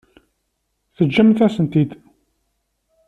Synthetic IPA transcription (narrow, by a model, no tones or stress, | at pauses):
θəd͡ʒːəmθæsənt̪id̪